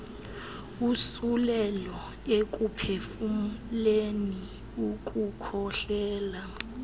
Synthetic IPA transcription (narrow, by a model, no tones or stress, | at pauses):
usulɛlɔ | ek̬ʼupʰefumleni | uk̬ʼukʰɔɬɛːla